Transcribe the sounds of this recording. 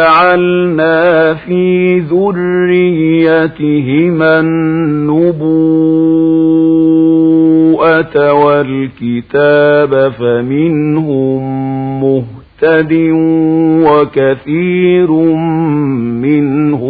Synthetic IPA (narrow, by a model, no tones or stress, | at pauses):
aʕalnaːfiːðʊrːɪjːat̪ɦɪmanːʊbu | ʔawalkɪt̪aːbafamɪnɦʊmmʊht̪ad̪ɪ | wakaθiːɾmmɪnhʊ